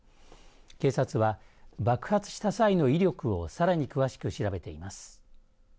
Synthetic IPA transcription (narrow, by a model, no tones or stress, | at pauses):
ke̞ːsat͡sɨβabakɯ̟̥hat͡sɨ̥ɕi̥t̪asaino̞iɾʲo̞kɯ̟o̞saɾaɲ̟ikɯ̟βaɕi̥kɯ̟ɕiɾabe̞t̪e̞imasɨ̥